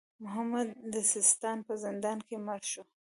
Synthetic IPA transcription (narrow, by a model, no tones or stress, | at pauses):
mʊɦamad̪̚ːəsɪst̪ɑnpəzɪnd̪ɑnkemaɾʃo